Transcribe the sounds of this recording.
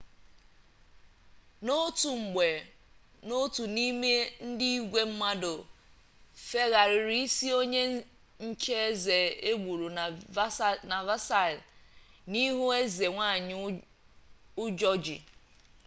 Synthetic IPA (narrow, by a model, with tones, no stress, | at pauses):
no˦tu˨ŋ͡m̩˨ɡ͡be˨ | no˦tu˨ni˦me˦n̩˦di˦i˦ɡʷe˦m̩˦ma˦do˨ | fe˦ɣa˨ɾɪ˨ɾi˦i˦si˦o˦ɲe˦ | ɲ̩˦t͡ʃe˦e˦ze˨e˦ɡʷu˨ɾu˨ | na˨va˦sa˦˨lni˦ɦu˦e˦ze˨ŋʷa˦˨ɲ˦ | ʊ˦d͡ʒɔ˦d͡ʒḭ˨